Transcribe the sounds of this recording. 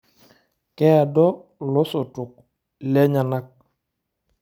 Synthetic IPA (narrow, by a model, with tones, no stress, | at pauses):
kɛ˦a˨dɔ˦lɔ˦sɔ˨tʊ˨k̚ | lɛ˦ɲa˨na˦k̚